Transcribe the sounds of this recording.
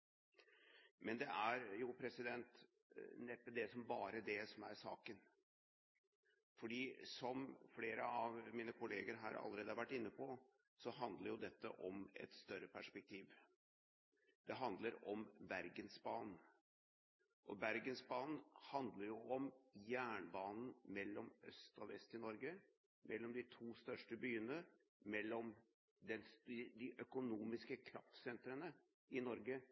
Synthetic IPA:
mɛnd̪ɛʔæɾjʊpʰɾɛsɪd̪ɛnt̪ | nɛp̪ːəd̪ɛsɔmbɑːɾəd̪ɛsɔmæ̰ɾsɑ̰ːkən | fɔɖiːsɔmfleːɾəɑʋmiːnəkʰʊleːɡəɾɦɑ̰ɾɑ̰lːəɾeːd̪ɑɾʋæʈːɪnːəpʰɔ | sɔɦɑnd̪ləɾjʊd̪ɛt̪ːə̰ʔɔmɛ̰t̪st̪œɾəpʰæʂpɛk̚t̪ʰiːʋ | d̪̥ɛɦɑnd̪ləɾɔmʋæɾɡənsbɑːn | ʔɔ̰bæɾɡənsbɑːnhɑnd̪ləɾjʊɔmjæːɳbɑːnn̩mɛlːɔmœst̪ɑʋɛ̰st̪ɪnɔɾɡə | mɛlːɔmd̪ɪt̪ʰuːst̪œʂʈəbyːənə | mɛlːɔm | d̪ɛnsd̪ɪʔœkʊnuːmɪskəkʰɾɑ̰ft̪sɛnt̪ɾənə | ɪnɔɾɡə

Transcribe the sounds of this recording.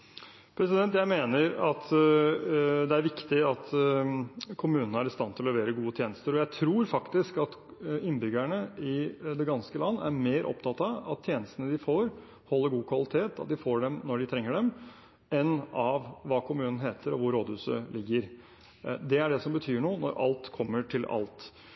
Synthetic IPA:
pʰɾɛsɪd̪ɛnt̪jæɪmeːnəɾɑt̪ | d̪ɛæɾʋɪkt̪ɪɑt̪ | kʰʊmʉːnənəæɾɪst̪ɑnt̪ʰɪlɔlɛʋeːɾəɡuːət̪ʰjeːnəst̪əɾɔjæɪt̪ʰɾuːɾfɑkt̪ɪskɑt̪ɪnːbʏɡæɳəɪd̪ɛɡɑnskəlɑnːæ̰ɾmeːɾʔɔ̰pt̪ʰɑt̪ɑɑ̰t̪ʰːjeːnəst̪ənəd̪ɪfoːɾ | hɔlːəɾɡuːkʰʋɑlɪt̪ʰeːt̪ɑ̰t̪̚d̪ɪfoːɖɛmnɔɖɪt̪ʰɾɛŋːəɖɛm | ɛnɑʋʋɑːkʰʊmʉːnən̩ɦeːt̪ʰəɾɔʋʊɾːoːd̪hʉːsə̰lɪɡːəɾ | d̪ɛæɖɛsɔmbət̪ʰyːɳuːnɔ̰ɾʔɑ̰lt̪kʰɔmːəʈʰɪlɑ̰lt̪

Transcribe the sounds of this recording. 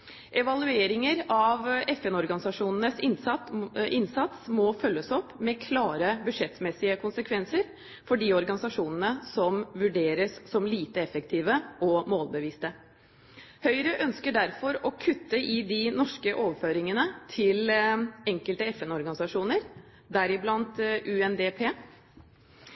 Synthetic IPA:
ʔɛʋɑlʉeːɾɪŋəɾɑʋɛfɛnɔɾɡɑnɪsɑʂuːnənəsɪnsɑt̪ʔɪnsɑt̪smɔfœlːəsɔpːmɛkʰlɑːɾəbʉʂɛt̪mɛsɪəkʰʊnsəkʰʋɛnsəɾ | fɔɖiːɔɾɡɑnɪsɑʂuːnənəsɔmʋʉɖeːɾəssɔmliːt̪əɛfəkt̪ʰiːʋəɔmoːlbəʋiːst̪ə | hœʏɾəʔœnskəɖæɾfɔɾɔkʰʉt̪ːəʔɪd̪ɪnɔʂkəʔoːʋəføːɾɪŋənət̪ʰɪlɛŋkəlt̪əɛfɛnɔɾɡɑnɪsɑʂuːnəɾ | d̪æɾɪblɑnt̪ʔʉːɛnd̪eːpʰeː

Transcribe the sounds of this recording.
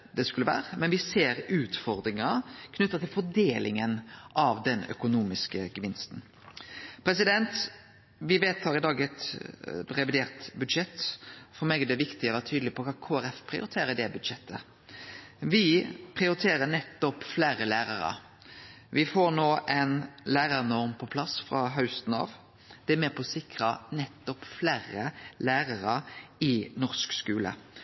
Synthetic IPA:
d̪ɛskʉlːəʋæ̰ːɾəmɛnʋɪseːɾʉːt̪fɔɾd̪ɾɪŋɑkʰnʉt̪ːɑt̪ʰɪlfɔɖeːlʔɪ̰ŋənʔɑʋd̪ɛnœ̰kʊnuːmɪskəɡəʋɪnst̪n̩ | pʰɾɛsɪd̪ɛnt̪ | ʋɪʋeːt̪ʰɑːɾɪd̪ɑːɡɛt̪ | ɾɛʋɪd̪eːʁt̪bʉd̪ʃɛt̪ːfɔɾmeːɡɛd̪ɛʋɪkt̪ɪɔʋæːtʰyːd̪əlɪpʰɔkʰɑːkʰoːæɾɛfpʰɾɪʊ̰ɾɪt̪ʰeːɾəd̪ɛbʉd̪ʃɛt̪ʰːə̰ | ʋɪpʰʁɪʊɾɪt̪ʰeːʁənɛt̪ːɔpflæːɾəlæːɾɑɾɑ̰ | ʋɪfoːɾnoːʔɛnlæːɾɑʁnɔʁmpʰɔpʰlɑsfʁɑɦɑʉst̪n̩ɑ̰ːʋ | d̪̥ɛæmeːpʰɔsɪkɾɑnɛt̪ːɔpflæːɾəlæːʁɑʁɑɪnɔʁskskʉːlə̰

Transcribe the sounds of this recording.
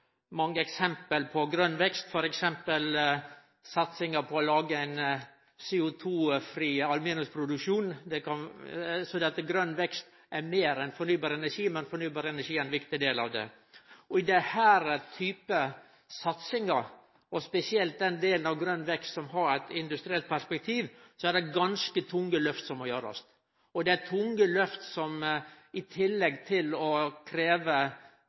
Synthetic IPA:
mɑŋːəɛksɛmpəlpʰɔɡɾœnːʋɛkst̪fɔɾɛksɛmpəl | sɑt̪sɪŋəpʰɔːlɑːɡəɛn | seːʊt̪ʰuːfɾiːɑlʉmiːnʉspʰɾʊd̪ʉkʂuːnd̪ɛkʰɑnsɔd̪ɛɑt̪ɡɾœnːʋɛkst̪ | ɛmeːɾɛnfɔɾɳyːbɑːɾɛnæʂiːmɛnfɔɳyːbɑːɾɛnæʂiːɛɪnʋɪkt̪ɪd̪eːlɑ̰ʋd̪ɛ̰ | ɔɪd̪ɛhæːɾt̪ʰyːpə | sɑt̪sɪŋɑɾ | ɔspɛsɪɛlt̪̚d̪ɛnd̪eːlənɑʋɡɾœnʋɛkst̪sɔmɦɑɾɛt̪ɪnd̪ʉst̪ɾɪɛlt̪̚pʰæʂpɛk̚t̪ʰiːʋsɔædɛɡɑnskət̪ʰʊŋːəlœft̪sɔmːɔjøːɾɔ̰st̪ | ɔd̪ɛæt̪ʰʊŋːəlœft̪sɔm | ɪt̪ʰɪlːɛɡt̪ʰɪlɔkʰɾeːʋə

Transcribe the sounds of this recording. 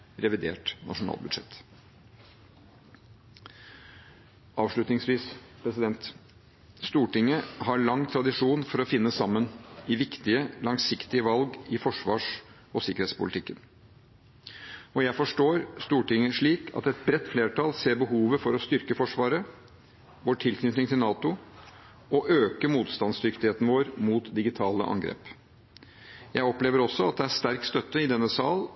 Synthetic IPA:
ɾɛʋɪd̪ḛːʈnʔɑ̰ʂʊnɑ̰ːlbʉd̪ʂɛ̰t̪ː | ʔɑːʋʂɭʉt̪nɪŋsʋiːspʰɾɛsɪd̪ɛnt̪ | st̪uːʈɪŋːəhɑɭɑŋːt̪ʰɾɑd̪ɪʂuːnfɔɾɔfɪnːəsɑmːənɪʋɪkt̪ɪəlɑŋsɪkt̪ɪəʋɑlɡɪfɔʂʋɑ̰ːʂ | ɔsɪkːəɾheːt̪spʊ̰lɪt̪ɪkːən | ɔjæɪfɔʂʈoːɾst̪uːʈɪŋːəʂɭiːkʰɑ̰t̪ɛt̪̚bɾɛt̪ːfleːʈʰɑlseːɾbəɦuːʋəfɔɾɔst̪ʏɾkəfɔʂʋɑːɾə | ʋoːʈʰɪlknʏt̪nɪŋt̪ʰɪlnɑːt̪ʊ | ɔʔøːkəmuːt̪st̪ɑnsd̪ʏkt̪ɪheːt̪ənəʋoːɾmuːt̪d̪ɪɡɪt̪ʰɑːlə̰ʔɑ̰ŋɡɾḛːp | jæɪɔpleːʋəɾɔsːɔɑt̪̚d̪ɛæʂt̪æɾkst̪œt̪ːəɪd̪ɛnːəsɑːl

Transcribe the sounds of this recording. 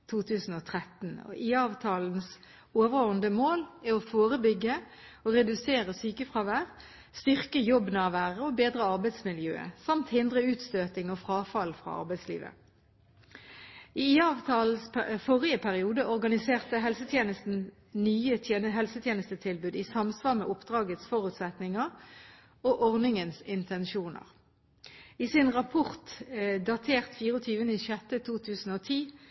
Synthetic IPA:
t̪ʰuːt̪ʰʉːsn̩oːt̪ʰʁɛt̪nɔ̰ʔiːɑːʋt̪ʰɑːln̩s | oːʋəʁoːənd̪əmoːlæɔfoːʁəbʏɡːə | ɔʁɛd̪ʉseːʁəsyːkəfʁɑːʋæːʁ | st̪ʏʁkəjɔbnɑːʋæːʁəɔbeːd̪ʁəɑʁbæɪd̪smɪljø̰ːə̰sɑmt̪hɪnd̪ʁəʉːt̪st̪øːt̪ɪŋɔfʁɑːfɑlfʁɑ̰ːɑ̰ʁbæɪslḭːʋə̰ | ʔiiːɑːʋt̪ɑːlsfɔʁɪəpʰæʁɪuːd̪əʔɔʁɡɑnɪseːʁt̪əɦɛlsət̪ʰjeːnəst̪n̩ | nyːəenəɦɛlsət̪ʰjeːnəst̪ət̪ʰɪlbʉːd̪iːsɑmsʋɑːʁmɛ̰ʔʊpd̪ʁɑːɡət̪sfɔʁʉːt̪sɛt̪nɪŋəʁ | oːʔɔʁnɪŋənsɪnt̪ʰɛnʃuːnə̰ʁ | iːsɪnʁɑpʰʊʁt̪d̪ɑt̪ʰeːʁt̪fiːʁəɔt̪ʰyːʋənəiʃɛt̪ət̪ʰuːt̪ʰʉːsn̩oːt̪ʰiː

